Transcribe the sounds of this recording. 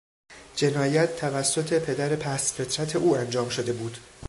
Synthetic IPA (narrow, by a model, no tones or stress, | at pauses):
d͡ʒe̞nɒːjæt̪ːʰævæsːo̞t̪ʰe̞pʰe̞d̪æɾe̞pʰæsfe̞t̪ʰɾæt̪ʰe̞ʔuːænd͡ʒɒːmʃo̞d̪e̞buːd̪̥